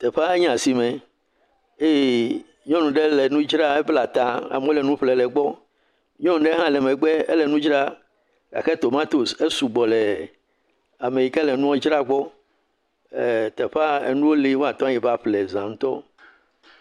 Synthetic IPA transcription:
t̪ɛ˨ɸa˦e˦ɲ˦ã˨si˨mɛ̃˨ | e˦˨ | ɲɔ̃˦nũ˨ɖe˦lɛ˨nũ˦d͡ʒɾa˦e˦bla˨t̪ã˨a̰˨m˦o˦lɛ˨nũ˦ɸlɛ˨lɛ˨ɡ͡bɔ˦ | ɲɔ̃˦ñ˨ɖɛ˦ɦã˦lɛ˨mɛ˨ɡ͡bɛ˦ḛ˦lɛ˨nũ˦d͡ʒɾa˦ | ka̰˨xɛ˦t̪o˨mã˦t̪o˨se˦su˨ɡ͡bɔ˨lɛ˨ | a˨me˨ji˨kɛ˦lɛ˨nũ˦wɔ˦d͡ʒɾa˦ɡ͡bɔ˦˨ | t̪ɛ˨ɸa˦ḛ˨nũ˦wo˦li˦wo˦a˨t̪ɔ̃˦a˦ji˨ba˦ɸlɛ˨zã˨ŋ̩̃˦t̪ɔ˦

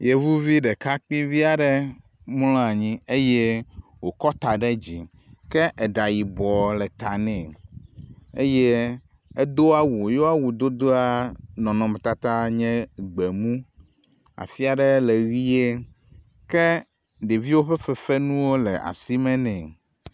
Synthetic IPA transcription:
je˨vu˦vi˦ɖɛ˨ka˦k͡pĩ˦vi˦a˨ɖɛ˦ | m˦lɔ̃˦a˨ɲĩ˦e˦jɛ˦ | wo˨kɔ˦t̪a˨ɖɛ˦d͡ʑi˨ | kɛ˦ʔɛ˨ɖa˨ji˨bɔ˨lɛ˨t̪a˨nɛ̃˨ | e˦je˦ | ɛ˦d̪o˦a˦wu˨jo˦a˦wu˨d̪o˦d̪o˦a˦nɔ̃˨nɔ̃˨mɛ̃˨t̪a˨t̪a˦ɲɛ̃˦ɡ͡be˨mũ˦ | a̰˨fi˦a˨ɖɛ˦lɛ˨ɣi˦e˦ | kɛ˦ | ɖe˨vi˦wo˦ɸɛ˦fɛ˨fɛ˦nũ˦wo˦lɛ˨ʔa̰˨si˦mɛ̃˦nɛ̃˨

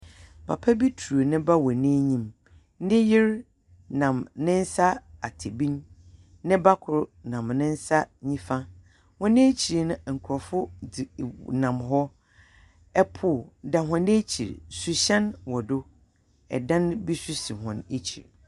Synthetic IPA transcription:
pʰa˨pʰa˦bi˦tʰu˨ɾo˨nɪ̃˦ba˦wɔ˨nẽ˦ɲĩ˨m | nɪ̃˦jɪ˦ɾ | nã˨mnɪ̃˦n̩˦sa˦a˨tʰe˨bĩ˦n | nɪ̃˦ba˦kʰʊ˨ɾnã˨mnɪ̃˦n̩˦sa˦ɲĩ˦fã˦ | wɔ̃˦nɪ̃˦e˦t͡ɕʰi˨ɾnʊ̃˦˨ŋ̩˨kʰɾɔ˨fʊ˦˨ | nã˨mɦɔ˦ | ɛ˦pʰʊ˨da˨ɦʊ̃˨nẽ˦t͡ɕʰḭ˨ɾsu˨ɕɛ̃˦nwɔ˨dʊ˦ | ɛ̰˨dã˦nbi˦su˦si˨ɦɔ̰̃˨ne˦t͡ɕʰḭ˨ɾ

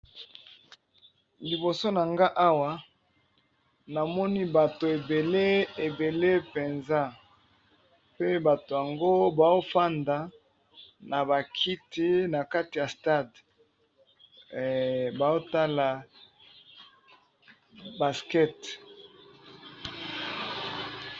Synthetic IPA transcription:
li˨bo˨so˦na˨ŋɡa˦ʔa˦wa˨ | na˨mɔ˦ni˦ba˨to˨e˨be˨le˦e˨be˨le˦pe˨nza˦ | pe˦ba˨to˨ja˨ŋɡo˦ba˨o˦fa˦nda˨ | na˨ba˨kʰi˦ti˦na˨ka˦ti˨ja˨sta˦˨d | ba˨o˦ta˦la˨ | ba˨skɛ˦t

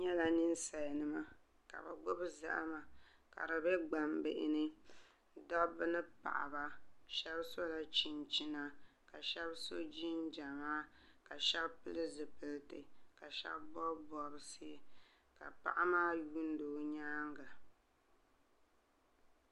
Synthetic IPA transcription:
ɲɛ˦la˨nɨ˦n˦sa˨jnɨ˦ma˦ | ka̰˨ba̰˨ɡ͡bʊ˦bza̰˦ʔa̰˦ma˨ka̰˨dɨ˨bɛ˦ɡ͡ba˨mbɪ˨ʔɪ̰˨nɨ˦ | dɔ˦bɨ˦nɨ˦pa̰˨ʔa˨ba˦ʃɛ˦bso˦la˦t͡ʃi˨nt͡ʃi˦na˦ka˨ʃɛ˦bso˦d͡ʒi˦nd͡ʒa˨maː˦ka˨ʃɛ˦bpɨ˦lɨ˦zɨ˨pɨ˨ltɨ˨ka˨ʃɛ̰˦bbɔ˦bbɔ˨ɾɨ˨sɨ˦ | ka̰˨pa̰˦˨ʔa˦maː˦ju˦n˦doː˨˦ɲaː˦ŋɡa˨

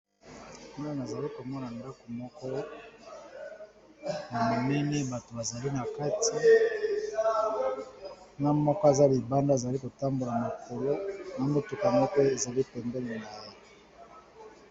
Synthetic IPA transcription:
ni˦a˦na˨za˨li˦ko˨mɔ˦na˨nda˦ko˨mɔ˦kɔ˦ | na˨ma˨mɛ˦ni˦ba˨to˨ba˨za˨li˦na˨ka˦tʰi˦ | na˦mɔ˦kɔ˦e˨za˦li˨ba˦nda˦e˨za˨li˦ko˨ta˦mbo˨la˨ma˨ko˨lo˦na˨mo˨tu˨ka˨mɔ˦kɔ˦e˨za˨li˦pɛ˨mbɛ˦le˨na˨je˦˨

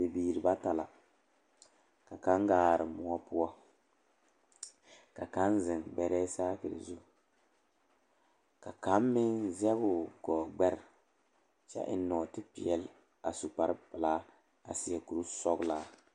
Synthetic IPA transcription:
bi˨biː˨ɾɨ˨ba˦ta˨la̰˨ | ka˨ka˦ŋɡaː˨ɾɨ˨mu˦a˦pʊ˦a˦ | ka˨ka˦n˦zɪ˨ŋbɛ˨ɾɛː˦saː˦kɨ˨ɾɨ̰˨zu˦˨ | ka˨ka˨˦mːɪ˦nzɛ˦bʊ˨ɡɔː˨ɡ͡bɛ˦ɾɪ˨ | t͡ʃɛ̰˦ʔɪ˦nɔː˨tɪ˦pḭ˨ɛ˦l | a˨su˨k͡pa˦ɾɨ˦pɨ˨laː˦ | a̰˨si˨jɛ˨ku˨ɾu˦sɔ˦ɡlaː˦

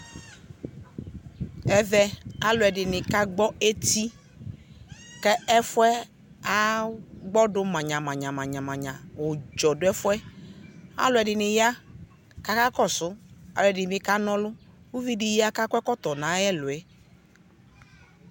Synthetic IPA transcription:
ɛ˨vɛ˦a˦lʊ˨ɛ˨dɪ˨nɪ̃˨ka˦ɡ͡bɔ˦e˦t̪i˦ | kɛ˦ɛ˦fʊ˦ɛ˦ | a˦ɡ͡bɔ˦dʊ˦mã˨ɲã˨mã˨ɲã˨mã˨ɲã˨mã˨ɲã˨wʊ˨d͡ʒɔ˨dʊ˦ɛ˦fʊ˦ɛ˦ | a̰˦lʊ˨ɛ˨dɪ˨nɪ̃˨ja˦ | ka˦ka˦kɔ˦˨sʊ˦a̰˨lʊ˨ɛ˨dɪ˨n˨bɪ˦ka˦nɔ̃˦lʊ˦ | wu˦vi˦dɪ˨ja˦ka˦kʷɛ˦kɔ˦t̪ɔ˨nã˨˦ɛ˦lʊ˨ɛ˨˦

